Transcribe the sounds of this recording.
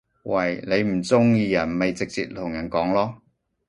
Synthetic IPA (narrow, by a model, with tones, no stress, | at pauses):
wɐ˨jne˨˧jm̩˨˩t͡sʊ˥ŋjiː˧jɐ˨˩nme˨jt͡sɪ˨k̚t͡sḭː˧t̚t̪ʰʊ˨˩ŋjɐ˨˩nkɔː˨˥ŋlɔː˥